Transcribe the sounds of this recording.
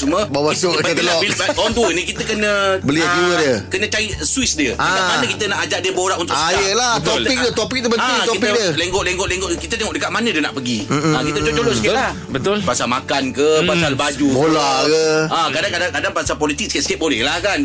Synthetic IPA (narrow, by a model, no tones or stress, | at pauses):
suməbawasubət̪əaoiɔnt̪uənĩkit̪əkənə̃bəliaduədiəkənə̃t͡ʃaiswisdiəaiamanə̃kit̪ənaʔad͡ʒaʔ̚diəboɾaʔunt̪ʊasjəlat̪olp̪ik̚ət̪opik̚dəbənukt̪oipikdiəleŋɡɔʔleŋɡɔʔleŋɡɔʔkit̪ət̪eŋɔʔdəkat̪̚manə̃diənaʔpəɡiãkit̪ət͡ʃoʔt͡ʃolɔʔsə̥kiala | bət̪ʊlpasalmakankəpasalbad͡ʒubolakəãkadaŋkadaŋkadaŋpasalpolit̪ɪk̚sə̥kaʔsə̥kaʔ̚bolɛ̰hlahkan